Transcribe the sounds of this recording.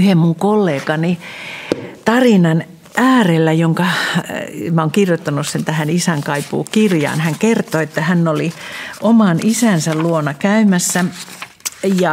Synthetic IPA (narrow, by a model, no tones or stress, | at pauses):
yhemmuŋkolːeːkɑni | t̪ɑrinɑn | ʔæːrelːæjoŋkɑ | mæoŋkirjot̪ːɑnussent̪æhænisæŋkɑipṵːkirjɑ̰ːnhæŋkert̪oet̪ːæhænːoliʔomɑnʔisæˑnsælluonɑkæymæsːæ | jɑ